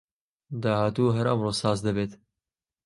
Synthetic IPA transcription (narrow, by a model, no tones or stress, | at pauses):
d̪ɑːhaːt̪uːɦɐɾɐmroːsɑːzd̪ɐbeːt̪